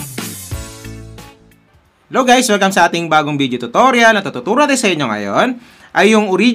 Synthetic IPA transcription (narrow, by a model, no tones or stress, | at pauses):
loɡajsmɐɡkɐmsɐʔaːt̪ɪŋbaːɡoŋbiːd̪jot̪ʊt̪oɾjɐlnɐt̪ːɐt̪ʊt̪uːɾod̪ɛsɐʔɪɲo̞ŋɐ̰jon | ʔɐjːʊŋʊɾi